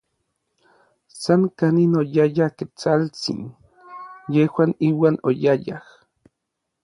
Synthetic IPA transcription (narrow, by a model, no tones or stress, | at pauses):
saŋkaninojajahket͡salt͡sḭn | jehwaːniːwaːno̰jaja̰h